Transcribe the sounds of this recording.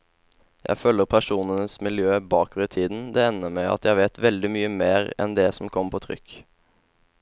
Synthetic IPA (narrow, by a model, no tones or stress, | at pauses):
jʔæ̰ɪfœːləʁpʰæʃuːnənəsmɪljøːbɑːkʋət̪ʰiːd̪n̩d̪ɛɛnːəmæɪɑ̰t̪jæɪʋeːt̪ʋɛld̪ɪmyːəmeːʁɛ̰nd̪ɛsɔmkʰɔmpʰoːt̪ʰʁʏ̰kː